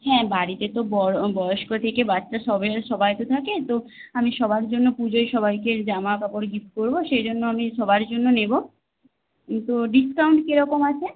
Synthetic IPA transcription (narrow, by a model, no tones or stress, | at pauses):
ɦɛ̃baɽit̪et̪obɔbɔoʃkoet̪ʰekebatːʃaʃɔbeʃɔbajt̪ot̪ʰaket̪oamiʃɔbaɾd͡ʑonːopud͡ʑojʃɔbajked͡ʑamakapoɾɡifkoɾboʃejd͡ʑonːoamiʃɔbaɾd͡ʑonːonebo | t̪oɖiskawɳʈkeɾɔkomat͡ɕʰe